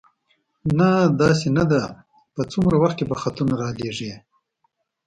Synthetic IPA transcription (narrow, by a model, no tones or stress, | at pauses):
nad̪ɑs̬enad̪a | pət͡sumɾawaxt̪̚kebaxat̪unaɾɑleʐi